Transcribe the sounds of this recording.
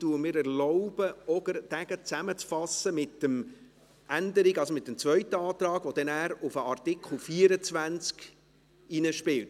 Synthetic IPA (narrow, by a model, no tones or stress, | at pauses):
tuːəmɪːɾɛɾlɔʊb̥əɔdəɾd̥æɡ̥ət͡sæmət͡sfɑsəmɪtːəm | ʔændəɾiɡɑlsomɪt̪ːəmt͡svœɥtəɑːt̪ɾɑːɡʋɔd̥̪ɛnæːɾʊfəʔɑrtɪkχl̩ˠfiəɾət͡sʋænt͡sk | inəʃpɪlt